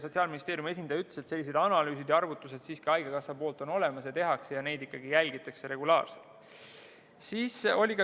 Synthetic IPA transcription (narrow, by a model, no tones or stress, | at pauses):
so̞t̪siɑːlmʲinist̪eːɾjume̞s̬ʲinɑjyt̪lesese̞lʲːis̬e̞d̪̥ɑnɑlyːsid̪jɑɑrvut̪ːˑuse̞d̪̥siːskiɑjɡ̥ɑkɑsɑpo̞ːlt̪ˑo̞no̞le̞mɑsjɑt̪e̞ɦɑkse̞jɑne̞jd̪ikːɑɡijælʲɡ̥it̪ːˑɑkse̞ɾe̞ɡulɑ̰ːrselt̪ | siːso̞lʲikɑ